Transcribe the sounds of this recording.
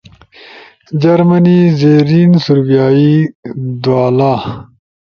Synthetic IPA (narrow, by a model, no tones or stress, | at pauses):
d͡ʑɐɾmɐnizeːɾiːnsuɾbijaːid̪uwaːlaː